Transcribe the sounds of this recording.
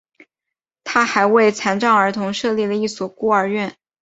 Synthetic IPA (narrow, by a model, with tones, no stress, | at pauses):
t̪ʰa˥xa˧˥ɪwe˥˩ɪt͡sʰa˧˥nʈ͡ʂɑ˥˩ŋə˞˧˥t̪ʰʊ˧˥ŋʂɤ˥˧li˥˩lə˩i˥˩swɔ˨˩ku˥ə˞˧˥ɥɛ˥˩n